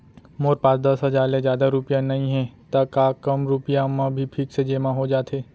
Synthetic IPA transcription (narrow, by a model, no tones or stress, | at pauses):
moːɾpãːt͡ʃd̪əsɦɐzaːɾlẽzjaːd̪aɾupjãnɐɦĩɦɛ̃t̪ɐkaːkɐmɾʊpijamãbʱipʰiːksed͡ʒeːmãɦod͡ʒaːt̪ɦeː